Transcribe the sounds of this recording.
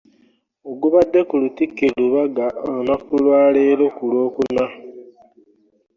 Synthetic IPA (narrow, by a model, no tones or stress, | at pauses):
oɡuβadːe̞kulutikːeluβaɡaʔonakulwaːleɾo̞kulo̞ːkuna